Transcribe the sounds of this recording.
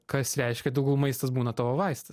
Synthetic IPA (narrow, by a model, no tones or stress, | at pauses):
kɐsɾʲɛɪʃʲkʲɛd̪ʲɪʊɡɐʊmɐɪst̪ɐsbuːnɐt̪oːʋoːʋɐɪsʲt̪ʲɐs